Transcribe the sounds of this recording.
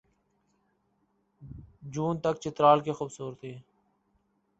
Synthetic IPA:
d͡ʒuːnt̪əkt͡ʃɪt̪ɾaːlkeːxuːbsuːɾət̪iː

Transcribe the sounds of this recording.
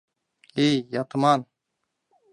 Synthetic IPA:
ejat̪maːn

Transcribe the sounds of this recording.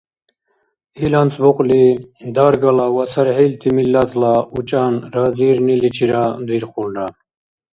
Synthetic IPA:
ilant͡sʼbɔqʼlid̪aɾɡalawasʰaɾɦilt̪ʰimilːat̪ʰlaut͡ʃʼanɾaziɾnilit͡ʃʰiɾad̪iɾχulɾa

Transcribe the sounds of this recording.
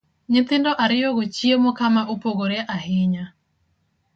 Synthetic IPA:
ɲɪt̪ɪndɔʔaɾɪjoɣot͡ʃiemokamaʔupoɣoɾeʔahɪɲa

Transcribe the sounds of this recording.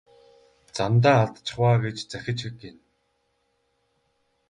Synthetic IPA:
t͡samt̪̬aːaɮt̪t͡ɕɪ̥̆χwaːɡet͡ɕt͡sæxʲɪ̆t͡ɕxɘ̆kːen

